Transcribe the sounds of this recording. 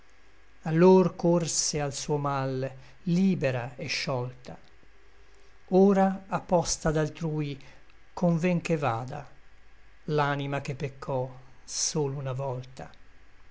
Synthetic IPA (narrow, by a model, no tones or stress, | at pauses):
alːorkorsealsuːomal | liːbeɾaeʃːɔlt̪a | oːɾaːpːɔst̪ad̪alt̪ɾuːj | kʰoɱvɛŋkevaːd̪a̰ | lanimak̟epːekʰːɔsoːlounavɔlt̪a